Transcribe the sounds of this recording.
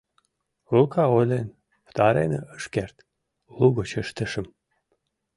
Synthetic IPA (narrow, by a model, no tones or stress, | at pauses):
lukɑojlen | ft̪ɑɾḛnəʔəʃkert̪ | luɣot͡ɕəʃt̪ə̆ʃə̆m